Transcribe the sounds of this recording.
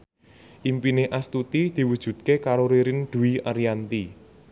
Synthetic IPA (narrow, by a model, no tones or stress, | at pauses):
ʔimpineʔast̪ut̪id̪̥i̤wud̥ʒ̥ṳd̪̚kekaɾoɾeɾɪnɖ̪̥ṳwiaɾijant̪i